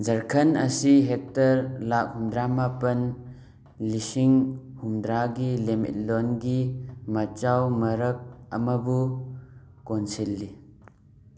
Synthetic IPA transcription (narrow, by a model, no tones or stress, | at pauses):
d͡ʒɐɾkʰɐnɐsiɦek̚tɐɾlak̚humdɾamapɐn | lisiŋhumdɾaɡilemḭt̚lonɡimɐt͡ʃawmɐɾɐk̚ɐ̰mɐbu | konsilːi